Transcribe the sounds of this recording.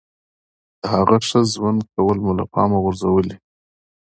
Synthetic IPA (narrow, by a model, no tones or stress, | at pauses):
d̪̥əhaɣaʂəzwand̪̚kawəlmulapɑ̰maɣʊɾzawəli